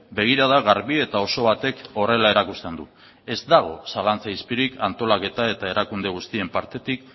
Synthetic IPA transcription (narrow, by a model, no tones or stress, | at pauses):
be̞ɣ̞iɾað̞aɣaɾβie̞t̪ao̞so̞βat̪e̞ko̞re̞lae̞ɾakust̪e̞nd̪u | e̞zd̪aɣ̞o̞̰salant͡saispiɾikant̪o̞lake̞t̪ae̞t̪ae̞ɾʔakund̪e̞ɣ̞ust̪ie̞mpaɾt̪e̞t̪ik